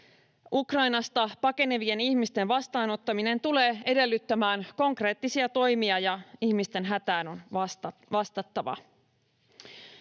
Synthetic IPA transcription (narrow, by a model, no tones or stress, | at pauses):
ʔukrɑjnɑst̪ɑpɑke̞ne̞ʋie̞niçmist̪e̞ʋɑst̪ɑːno̞t̪ːɑmine̞nt̪ule̞ːe̞de̞lːyt̪ːæmæːnko̞ŋkre̞ːt̪ːisiɑt̪o̞jmiɑjɑiçmist̪e̞nɦæt̪æːno̞nʋɑst̪ɑt̪ːɑʋɑ̰